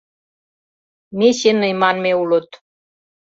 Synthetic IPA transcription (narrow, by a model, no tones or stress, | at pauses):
meɕenəjmɑnmeulɤ̆t̪